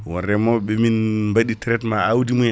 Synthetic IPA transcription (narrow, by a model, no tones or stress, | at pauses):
wɔrɛmɔɓɛminmbaɗitɛɾɛtmaawdimu